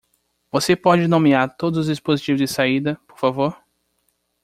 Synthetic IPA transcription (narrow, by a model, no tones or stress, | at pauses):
vosepɔd͡ʒɪnõmiaɾt̪od̪ʊzʊzd͡ʒispozit͡ʃivʊzd͡ʒɪsaid̪ɐpo̥ɾfavoɾ